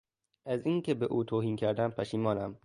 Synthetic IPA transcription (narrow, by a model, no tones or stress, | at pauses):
ʔæziːŋkʲʰebeʔuːt̪ʰoːhiːnkʰæɾd̪æmpʰæʃiːmɒːnæm